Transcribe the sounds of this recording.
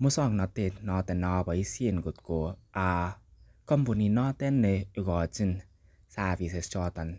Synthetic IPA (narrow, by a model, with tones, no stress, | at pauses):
mu˦sɔ˧˨ŋnɔ˨˧t̪e˧tnɔ˧t̪ɛ˧˨nɔ˧ba˨i˦si˦˧˨nɡu˨t̪̚ko˨a˨˧ | kɔ˦˨mpu˨ni˧nɔ˧˦t̪ɛ˦nːe˧ɡɔ˨t͡ʃi˧˦n | sa˧vi˨se˨˧st͡ʃɔ˧t̪a˨n